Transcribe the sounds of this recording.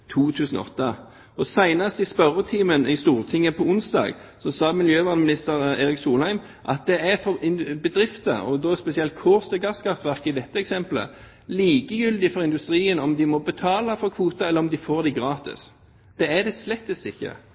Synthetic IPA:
t̪ʰuːt̪ʰʉːsn̩ɔ̰t̪ːɑ | ɔsæɪnɑst̪ɪspœɾət̪ʰiːmənɪst̪uːʁt̪ʰɪŋːəpʰɔʊnsd̪ɑ̰ːɡ | sɔsɑːmɪljøːʋɑːʁd̪mɪnɪst̪əɾeːɾɪksuːlhæɪm | ʔɑ̰t̪̚d̪ɛæʁfɔʁɪnbəd̪ɾɪft̪ə̰ɔd̪ɔspɛsɪɛlt̪̚kʰʊʁst̪ʰɪɡɑskʰɑt̪ʋæʁkɪd̪ɛt̪ːəɛksɛmplə̰ | liːkəjʏld̪ɪfɔʁɪnʉst̪ɾiːənɔmd̪ɪmɔbət̪ʰɑːlɑfɔʁkʰʋuːt̪ɑɛlːəʁɔmd̪ɪfoːʁd̪ɪɡɾɑːt̪ɪ̰s | d̪̥ɛæd̪ɛslɛt̪ːəsɪçːə̰

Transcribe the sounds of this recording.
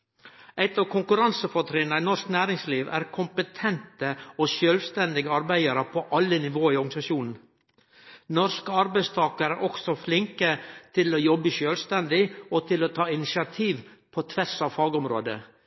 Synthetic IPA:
æɪt̪ɑkʰʊŋkʉɾɑnsəfɔt̪ʰɾeːnæɪnɔsknæːɾɪŋsliːʋæ̰ːɾkʰʊmpət̪ʰɛnt̪əɔʃøːlʋst̪ɛnd̪ɪɡəɑɾbæɪəɾəpʰɔʔɑlːənɪʋoːɪɔɾɡɑnɪsɑʃuːnn̩ | nɔskəɑɾbæɪst̪ʰɑːkəɾæɾʔɔksɔflɪŋkət̪ʰɪlɔːjɔbːəʃøːlst̪ɛnd̪ɪɔt̪ʰɪloːt̪ʰɑːɪnɪsɪɑt̪ʰiːʋpʰɔt̪ʰʋɛsɑʋfɑːɡɔmɾo̰ːd̪ə̰

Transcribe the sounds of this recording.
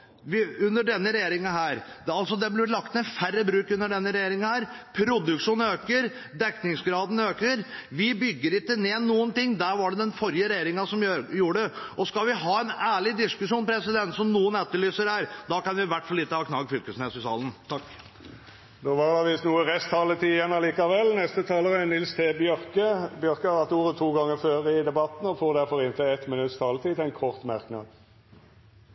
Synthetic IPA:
ʋɪʉnːəɖɛnːəɾɛjeːɾɪŋɑhæːɾɑlt̪sɔd̪ɛblɪlɑk̚t̪mɛfærːəbɾʉːkʉnːəɖɛnːəɾɛjeːɾɪŋhæːɾpʰɾʊd̪ʉkʂuːnøːkəɾ | d̪ɛknɪŋsɡɾɑːd̪n̩øːkəɾʋɪbʏɡːəɾɪt̪ːəneːnuːənt̪ɪŋːd̪æɾʋɑɖɛd̪ɛnfɔɾjəɾɛjeːɾɪŋɑsɔmjuːɖəʔɔskɑʋɪɦɑːɛnæːɭɪd̪ɪskʉʂuːnpʰɾɛsɪd̪ɛnt̪sɔmnuːənæt̪ːəɭyːsəɾhæːɾd̪ɑkɑnʋɪʋæʈfɔlːɪt̪ːəhɑːkʰnɑɡfʏlkəsnesɪsɑ̰ːlənt̪ʰɑkː | d̪oːʋɑʁlɑʋɪsnuːəʁɛst̪ʰɑːlət̪iːjɛnɑliːkɑʋɛlːnɛst̪ət̪ʰɑːləʁənɪlst̪ʰeːbjœɾkəbjœʁkəɑɑt̪uːɾət̪ʰuːɡɑŋːəføːʁəɪd̪ɛbɑt̪n̩ɔfoːd̪æɾfɔɾɪnt̪əɛt̪mɪnʉt̪st̪ʰɑːlət̪ʰiːt̪ɛɪnkʰɔʁt̪mæʁknɑ̰ːd̪

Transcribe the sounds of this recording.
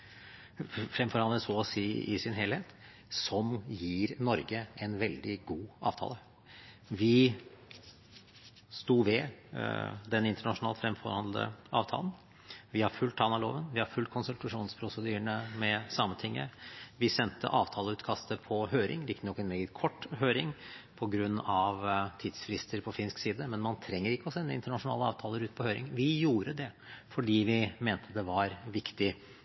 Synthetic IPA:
fɾɛmfɔɾhɑnd̪əsɔɔsiːɪ̰sɪnɦeːlheːt̪ | sɔmjiːɾnɔɾɡəɛnʋɛld̪ɪɡuːɑ̰ːʋt̪ʰɑ̰ːlə | ʋɪ | st̪uːʋɛ | d̪ɛnɪnt̪əɳɑʂʊnɑːlt̪fɾɛmfɔɾhɑnd̪ləd̪ə̰ɑ̰ːʋt̪ʰɑ̰lən̩ | ʋɪhɑɾfʉlt̪ʰɑnɑlo̰ːʋənʋɪhɑɾfʉlkʰʊnsʉlt̪ɑʂuːnspʰɾʊsəd̪yːəɳəmɛsɑmːət̪ʰɪŋːə̰ʋɪsɛnt̪ə̰ʔɑːʋt̪ʰɑːləʉːt̪kʰɑst̪əpʰɔɦøːɾɪ̰ŋlɪk̪ːənɔkːɛnmɛːɡət̪kʰɔʈːɦøːɾɪŋpʰɔɡɾʉnːɑʋt̪ʰiːd̪sfɾɪst̪əɾpʰɔfɪnsksiːd̪əmɛnmɑnt̪ʰɾɛŋːəɾɪkːəɔsɛnːəɪ̰nt̪əɳɑʂʊnɑ̰ːləɑ̰ːʋt̪ʰɑːləɾʉːt̪̚pʰɔhøːɾɪ̰ŋʋɪjuːɾəd̪ɛ | fɔɖiːʋɪmeːnt̪ʰəd̪ɛʋɑɾʋɪkt̪ɪ

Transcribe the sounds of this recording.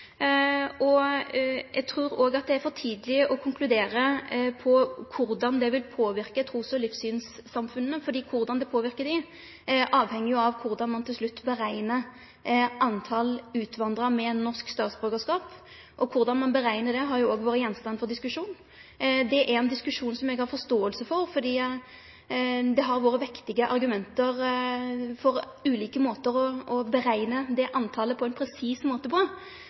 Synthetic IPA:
ɔ | jɛɡ̚t̪ʰɾuːɾoːɡɑt̪̚d̪ɛæɾfɔʁt̪ʰiːd̪əlɪəʔɔkʰʊŋklʉd̪eːɾəpʰɔkʰʊɾd̪ɑnd̪ɛʋɪlpʰoːʋɪɾkət̪ʰɾuːsɔlɪfsyːnsːɑmfʉnːəfɔɾd̪iːkʰʊɾd̪ɑnd̪ɛpʰoːʋɪɾkəd̪ɪ | ʔɑːʋhɛŋːɪjʊɑʋkʰʊɾd̪ɑnmɑnt̪ʰɪlslʉt̪ːbəɾæɪnə | ɑnt̪ʰɑlʉːt̪ʋɑnd̪ɾɑmɛnːɔskst̪ɑːt̪sbʁøːɡəskɑːp | ʔɔkʰʊɾd̪ɑnmɑnbəɾæɪnəd̪ɛɦɑɾjʊoːɡʋoːɾəjɛnst̪ɑnfɔɾd̪ɪskʉʂuːn | d̪ɛʔæɾɛnd̪ɪskʉʂuːnsɔmɛɡhɑɾfɔɾst̪oːəlsəfɔɾfɔd̪iː | d̪ɛɦɑɾʋoːɾəʋɪkt̪ɪɡəʔɑ̰ɾɡʉmɛnt̪əʁ | fɔɾʉːliːkəmoːt̪əɾɔɔbəɾæɪnəd̪ɛʔɑnt̪ʰɑːləpʰɔɛnpʰɾɛsiːsmoːt̪əpʁɑ

